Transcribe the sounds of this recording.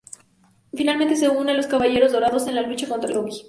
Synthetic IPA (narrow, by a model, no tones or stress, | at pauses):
finalment̪e̞se̞unlo̞skaβaʝe̞ɾo̞zðo̞ɾaðo̞se̞nlalut͡ʃako̞nt̪ɾa̰loɣi